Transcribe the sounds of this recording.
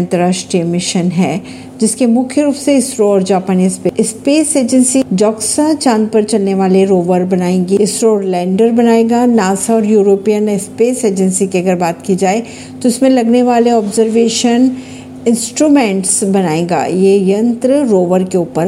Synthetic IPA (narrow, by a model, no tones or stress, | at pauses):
nt̪əɾaːʃʈɾimɪʃənɦɛː | d͡ʒɪskemʊkʰjəɾuːpseɪsɾoɔɾd͡ʒaːpaːnispeɪspeːseːd͡ʒə̃nsid͡ʒɔːksãt͡ʃãːnpɐɾt͡ʃɐlneʋaːleɾoːʋəɾbɐnaːẽːŋɡiɪsɾoːɾlɛ̃ːɳɖəɾbɐnaːeːɡanaːsaɔːɾjuːɾoːpijənɪspeːseːd͡ʒə̃nsikeɐɡəɾbaːt̪kid͡ʒaːe | t̪oɪsmẽlɐɡneʋaːleɔːbzəɾʋeːʃən | ɪ̃nsʈɾuːmɛ̃ːɳʈsbɐnaːẽːɡa̰ːjejɐ̃nt̪ɾəɾoːʋəɾkeʊːpəɾ